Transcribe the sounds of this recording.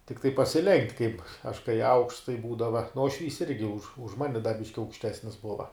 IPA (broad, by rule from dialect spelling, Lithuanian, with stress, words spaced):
tʲɪkˈtɐɪ pɐsʲɪˈlʲɛŋktʲ kɐɪp ɐʃ kɐɪ ɐʊkʃts tɐɪ ˈbuːdɐʋɐ nʊ uɔʃʲˈʋʲiːs ˈɪrʲɡʲɪ ʊʃ ʊʃ ˈmɑːnʲɪ dɐ ˈbʲɪʃʲkʲɪ ɐʊkʃʲˈtʲæːsʲnʲɪs ˈbʊʋɐ